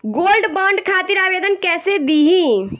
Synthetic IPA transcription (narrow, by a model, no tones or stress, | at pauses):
ɡolɖbəɳɖkʰat̪iɾabed̪ənkɛːsed̪iɦĩ